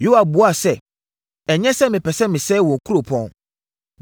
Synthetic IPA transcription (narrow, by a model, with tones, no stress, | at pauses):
jo˦a˨bʊ˨a˦˨sɛ˦˨ | ɛ˨ɲɛ̃˦sɛ˦mɪ̃˨pɛ˨sɛ˦mɪ̃˨sɛː˦wɔ̃˨ŋ˨kʰu˦ɾo˨pʰɔ̃˦n